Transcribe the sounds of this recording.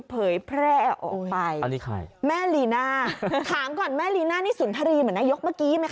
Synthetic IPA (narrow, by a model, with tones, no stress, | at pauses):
pʰɤː˨˩˦jpʰɾɛː˥˩ʔɔ̰ː˨˩kpa˧jni˦kʰa̰˧˩mɛː˥˩liː˧naː˥˩kʰaː˨˩˦ŋkɔː˨˩nmɛː˥˩liː˧naː˥˩niː˥˩su˨˩˦nt̪ʰa˧ɾiː˧mɯ˨˩˦na˧˥jo˦˥k̚maː˧˥˩kiː˨˦ma˦jkʰ